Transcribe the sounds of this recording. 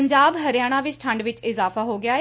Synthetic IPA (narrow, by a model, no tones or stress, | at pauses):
ɲd͡ʒaːbɦəɾɪjaːɽ̃ãːʋɪt͡ʃʈʰəɳɖʋɪt͡ʃɪzaːfʰaːɦoːɡɪjaː